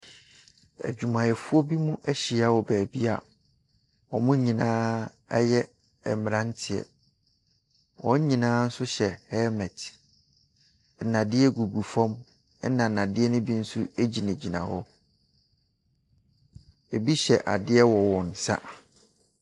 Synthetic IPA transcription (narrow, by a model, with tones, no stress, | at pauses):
æ̰˨d͡ʑᶣu˨mã˨jɛ˨fu˦ɔ˦bi˦mũ˦ʔæ˦ɕi˨a˦wɔ˨bæː˨bi˦a˨ | wɔ˨mʊ̃˦ɲĩ˨nãː˦ | ɛ˦jɛ˦ | ɛ̰˨m̃˨ɾã˦n˦tʰɪ˨ɛ̰˨ | wʔɔ̰̃˦ɲ˦ɲĩ˨nãː˦n̩˦sʊ˦ɕɛ˨hɛ˦mɛ˨t | nã˨dɪ˦ɛ˦ɡu˨ɡu˨fɔ̃˦m | ɛ˦nã˨nã˨dɪ˦ɛ˦nʊ̃˦bi˦n̩˦su˦e˦d͡ʑi˨næ̃˨d͡ʑi˨nã̰˨hɔ˦ | e˨bi˦ɕɛ˨ʔa̰˨dɪ˦ɛ˦wɔ˨wɔ̃˨n̩˨sa̰˦